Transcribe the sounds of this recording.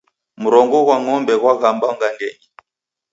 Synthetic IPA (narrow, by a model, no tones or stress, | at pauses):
muɾɔŋɡɔɣwaŋɔmbɛɣwaɣambaŋɡaŋɡɛŋi